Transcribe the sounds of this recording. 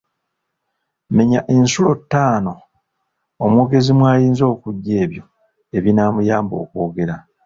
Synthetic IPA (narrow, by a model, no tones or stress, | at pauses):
me̞ɲaʔe̞nsulo̞tːaːno̞ː | mwoːɡe̞zimwaːjiːnzo̞ːkuɟːe̞ːβjo̞ | eβinaːmujaːmbo̞̰ːkwo̞ːɡe̞ɾa